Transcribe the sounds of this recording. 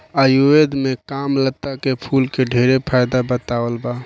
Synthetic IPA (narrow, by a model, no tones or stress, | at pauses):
əjued̪mekamlət̪ːakepʰulkeɖʱeɾepʰajd̪abət̪awəlba